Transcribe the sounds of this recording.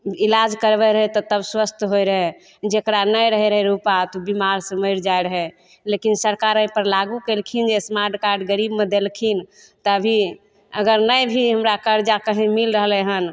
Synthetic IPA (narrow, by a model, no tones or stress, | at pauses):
ilad͡ʒkəɾbɛɾəɦɛt̪ɔt̪əbswəst̪ʰɦojɾəɦɛ | d͡ʒekɾanəjɾəɦɛɾəɦɛɾupat̪ubimaɾsə̃məjɾd͡ʒajɾəɦɛ | lekinsəɾkaɾə̃j̃pəɾlaɡukelkʰind͡ʒesmaɾʈkaɾɖɡəɾibmed̪elkʰin | t̪ɔəbʱi | əɡəɾnəjbʱiɦəmɾakəɾd͡ʒakəɦĩmilɾəɦlɛɦən